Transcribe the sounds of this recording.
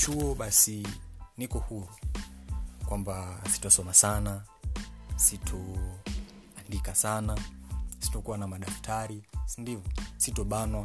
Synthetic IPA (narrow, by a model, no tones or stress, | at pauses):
t͡ʃuɔɓasinikɔhuɾu | kwambasi̥tɔsɔmasana | sitʰɔ | andikasanasi̥tɔkuwanamaɗaftʰaɾisindivɔsitɔɓanwa